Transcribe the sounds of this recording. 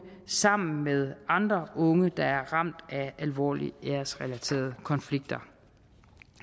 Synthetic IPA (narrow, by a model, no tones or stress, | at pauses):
sɑ̈m̰n̩með̞ˠɑ̈nd̥ʁɐʔɔ̽ŋəd̥ɑ̈æɐʁɑ̈m̰d̥æælʋɒ̰ːlḭeɐsʁɛlæt͡sʰe̝̰ːɐð̞̩ˠəkʰɒ̽nfliɡ̥̚d̥ɐ